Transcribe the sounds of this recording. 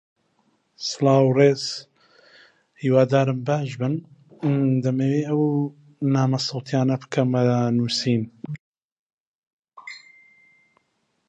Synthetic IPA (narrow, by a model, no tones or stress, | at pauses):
sɨlɑːwreːz̥ | hiːwaːd̪aːɾɨmbaːʒbɨn | d̪ɐmeːweːɐw | naːmɐsɑwt̪ʰjaːnɐbkʰɐmɐnuːsiːn